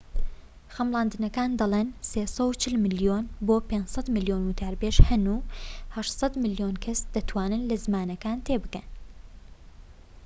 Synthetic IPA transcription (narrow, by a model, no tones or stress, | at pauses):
xɐmlˠɑːnd̪ɨnɐkaːnd̪ɐlˠeːnsesɐwt͡ʃʰɪlmɨljoːnboːpend͡ʒsˤɐt̪mɨljoːnwut̪ʰaːɾbeːʃhɐnuːhɐʃsˤɐd̪mɨljoːnkʰɐsd̪̥ɐt̪ʰwaːnɨnlɐzmaːnɐkaːnt̪ʰeːbɨkɐn